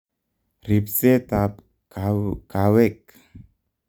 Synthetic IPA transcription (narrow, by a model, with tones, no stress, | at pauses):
ri˨pse˦t̪a˨p | kakawe˦k